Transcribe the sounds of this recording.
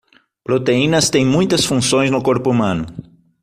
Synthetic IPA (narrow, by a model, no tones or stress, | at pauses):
pɾot̪einɐst̪ẽj̃mũj̃t̪ɐsfũsõj̃znʊkoɾpʊumɐ̃nʊ